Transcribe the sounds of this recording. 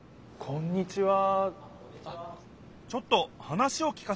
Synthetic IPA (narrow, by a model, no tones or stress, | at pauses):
kʰõ̞ɲ̟ːit͡ɕiβa | t͡ɕo̞t̪ːo̞hanaɕio̞kʲi̥ka